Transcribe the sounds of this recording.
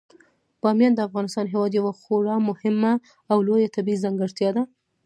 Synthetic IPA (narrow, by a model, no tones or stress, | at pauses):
b̥ɑmjɑnd̪əafɣɑnɪst̪ɑnɦewɑd̪jawaxoɽɑmʊhɪmːaː | wlojat̪abizaŋɡɪɽt̪jɑd̪a